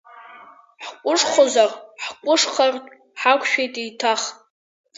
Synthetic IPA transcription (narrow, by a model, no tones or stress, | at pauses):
ħkʷʼʊʂχʷozarħkʷʼʊʂχartʼ | ħakʷʰʃᶣejtʼitʰaχʼ